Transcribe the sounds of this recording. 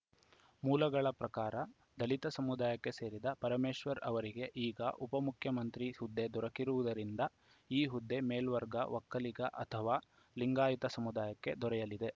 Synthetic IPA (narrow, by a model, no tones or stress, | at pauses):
muːlɐɡɐɭɐpɾɐkaːɾɐ | d̪ɐlit̪ɐsɐmud̪aːjɐkːe̞se̞ːɾid̪ɐpɐɾɐmeːʃʋɐɾɐʋɐɾiɡe̞ʔiːɡɐ̰ʔupɐmukʰjɐmɐnt̪ɾihud̪ːe̞d̪ɔɾɐkiɾuʋud̪ɐɾind̪ɐ | iːɦud̪ːe̞meːlʋɐɾɡɐ̰ʋɐkːɐliɡɐ̰ʔɐt̪ʰɐʋaː | liŋɡaːjit̪ɐsɐmud̪aːjɐkːe̞d̪ɔɾɛjɐlid̪e̞